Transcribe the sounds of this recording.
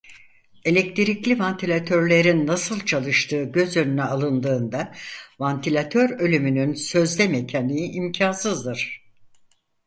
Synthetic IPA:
e̞lʲɛc̚t̪ʰiɾiclʲivant̪ʰilʲat̪ʰø̞ɾlʲe̞ɾinːasɯlˠt͡ʃʰalˠɯʃt̪ʰɯːɟø̞zjø̞nynyalˠɯnd̪ɯːnd̪avant̪ʰilʲat̪ʰø̞ɾø̞lʲymynynsø̞zlʲɛmecʰanijiʔimcʰansɯzd̪ɯɾ̥

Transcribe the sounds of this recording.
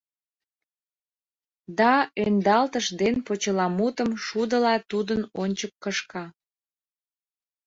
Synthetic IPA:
d̪ɑønd̪ɑlt̪əʃd̪enpot͡ɕəlɑmut̪əmʃud̪əlɑt̪ud̪ənonʲt͡ɕəkːəʃkɑ

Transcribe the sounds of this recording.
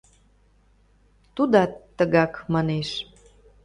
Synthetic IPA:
t̪ud̪ɑt̪ːəɣɑkmɑneʃ

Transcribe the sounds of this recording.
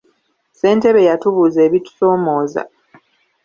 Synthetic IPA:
se̞ːnte̞βe̞jatuβuze̞ːβitu̥so̞ːmo̞ːza̰

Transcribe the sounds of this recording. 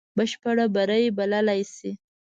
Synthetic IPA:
bəʃpaɽabaɾəjebalalajsi

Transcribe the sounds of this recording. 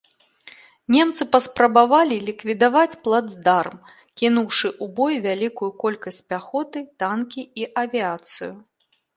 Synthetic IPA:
nʲɛmt̪sɨpɐspɾɐbavalʲilʲikvʲid̪avat͡sʲplˠad̪zd̪arm | kʲinuwʂɨʔubɔjvʲalʲikujukɔlʲkɐsʲt͡sʲpʲaxɔt̪ɨt̪ankʲiiʔɐvʲiat̪sɨ̰ju

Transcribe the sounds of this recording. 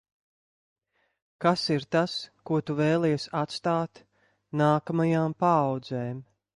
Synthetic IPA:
kasiɾt̪askuɔt̪uvɛːlˠɛjɛsat̪st̪aːt̪ | naːkamajaːmpaːwd̪zɛːm

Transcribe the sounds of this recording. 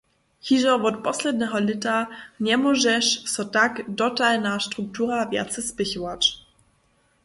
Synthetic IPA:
xiʒɔvɔt̪pɔslɛd̪ɲɛɦɔlɪtaɲɛmɔʒɛʃsɔtakdɔtalnaʃtɾuk̚tuɾavʲja̰t̪sɛspɪçɔwat͡ɕ

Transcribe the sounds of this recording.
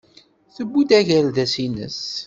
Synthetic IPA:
θəbːud̪æʝælðæsinə̰s

